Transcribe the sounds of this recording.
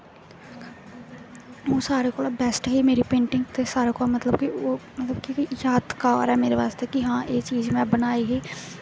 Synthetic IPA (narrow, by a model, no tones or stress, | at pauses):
ɦõːsaːɾeːkoːlaːbɛːsʈɦiːmeːɾiːpẽːɳʈɪŋɡt̪eːsaːɾeːkolːmət̪ləbkɪoːmət̪ləbkijaːd̪ka̰ːɾɛːmeːɾeːʋa̰ːst̪eːkɪɦãːʔeːt͡ʃiːzmɛ̃ːbənaːiːɦeː